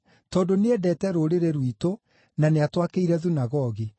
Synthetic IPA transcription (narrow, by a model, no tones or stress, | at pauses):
tɔːndoneɛdɛːtɛɾoɾeɾeɾwito | naneatwakeiɾɛðunaɣɔɣi